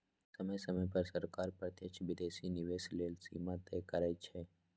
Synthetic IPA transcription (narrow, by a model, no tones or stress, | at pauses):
səməjsəməjpəɾsəɾkaːɾpɾət̪jəkt͡ʃʋɪd̪esinɪʋeːsleːlsḭmãt̪ɛkəɾajt͡ʃʰe